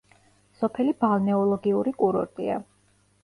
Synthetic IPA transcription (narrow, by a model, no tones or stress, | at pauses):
sɔpʰɛlibalˠnɛɔlˠɔɡiuɾikʼuɾɔ̰ɾt̪ʼḭa̰